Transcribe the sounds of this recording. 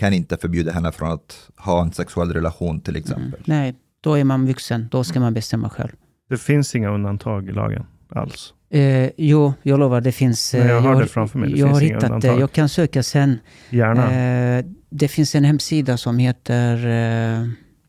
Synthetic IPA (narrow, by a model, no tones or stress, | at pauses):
kʰanɪnt̪əfœɾbjʉːd̪aɦɛnːəfɾɔnat̪hɑːɛnsɛksɵɛlːɾɛlaɧuːnt̪ʰɪlɛ̰ksɛ̰mpəlnɛj | d̪̥ɔæɾmanvɵksənd̪ɔskamanbɛst̪ɛmːa̰ɧɛ̰lv | d̪̥ɛfɪnsɪŋːaɵnd̪ant̪ʰɑːɡɪlɑ̰ːɡə̰n | a̰ls | juːjɑːɡloːvaɖ̪ɛfɪnsjɖɛfɾamfœmɛ̰jjɑːɡhaɾhɪːat̪a̰d̪ɛjɑːɡkʰansøːkasɛnː | jæːɳa | d̪ɛfɪnsɛnhɛmːsiːd̪asɔmheːt̪ʰəɾ